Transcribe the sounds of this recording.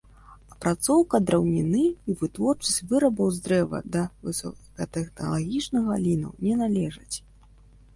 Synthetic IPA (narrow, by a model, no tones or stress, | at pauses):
ɐpɾat̪sɔwkɐd̪ɾɐwnʲinɨivɨt̪vɔrt͡ʂɐsʲt͡sʲvɨɾɐbɐwzd̪ɾɛvɐ̰d̪ɐvɨsɔ̰kɐt̪ɛxnɐ̰lˠaɣʲit͡ʂnɐɣɐlʲinɐ̰wnʲɛnalʲɛʐɨt͡sʲ